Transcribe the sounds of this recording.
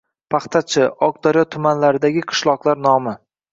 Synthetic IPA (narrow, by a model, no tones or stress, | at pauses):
pʰɑχt̪ʰat͡ʃʰɪʔɒk̚d̪aɾjɒt̪ʰʊmanlaɾɪd̪aɡʲɪqʰɨ̥ʃlˠɒqlˠaɾnɒmɪ